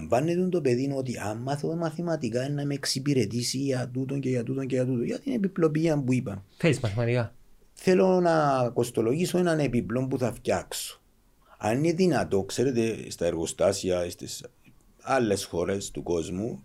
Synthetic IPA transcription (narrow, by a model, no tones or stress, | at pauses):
ɱvɐnːet̪und̪o̞peðinot̪̬iʔɐmːɐθomɐθimɐt̪ikaenːɐmeeksibiɾe̞t̪isiʝɐt̪ut̪oɲɟeʝɐt̪ut̪o̞ɲɟejɐt̪ut̪ojɐt̪ine̞piplo̞piɐmbuipɐmfezmɐθimɐt̪ikɐ | θelo̞nɐko̞st̪o̞lo̞ʝiso̞enɐne̞piplo̞mbuθɐfcɐkso̥ | ɐ̰nineðinɐt̪o̞kse̞ɾet̪est̪ɐeɾɣo̞st̪ɐsiɐest̪es | ɐlːe̞sxo̞ɾe̞st̪uko̞zmu